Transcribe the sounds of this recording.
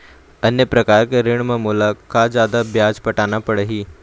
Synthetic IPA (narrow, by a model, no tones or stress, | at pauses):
ənjəpɾɐkaːɾkeɾɪɳ̃məmolakad͡zjaːd̪abjad͡zpəʈaːnapəɽəɦiː